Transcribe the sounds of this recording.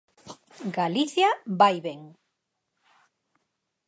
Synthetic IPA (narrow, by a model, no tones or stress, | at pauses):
ɡaliθjabajβeŋ